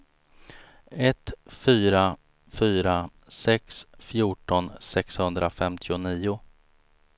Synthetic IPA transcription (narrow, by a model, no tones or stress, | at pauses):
ɛt̪fyːɾa | fyːɾa | sɛksfjuːʈɔnsɛkshɵnd̪ɾafɛmt̪ʰɪʊniːʊ